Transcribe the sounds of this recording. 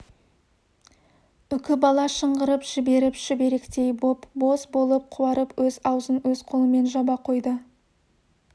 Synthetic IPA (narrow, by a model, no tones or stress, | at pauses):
ʏkʲɪbɑlˠɑʃəɴʁəɾəpʒ̥ɪbe̞ɾɪpʒ̥ɪbe̞ɾe̞kt̪e̞jbopbo̞sbo̞lˠəp̚qʰʊɑɾəpwɵzɑwzənwɵz̥qʰolˠəme̞nʒɑbɑqʰo̞jd̪ə